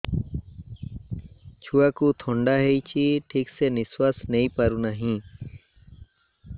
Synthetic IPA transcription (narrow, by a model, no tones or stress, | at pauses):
t͡ʃʰuakut̪ʰɔɳɖaɦejt͡ʃʰiʈʰikseniswasnejpaɾunaɦĩ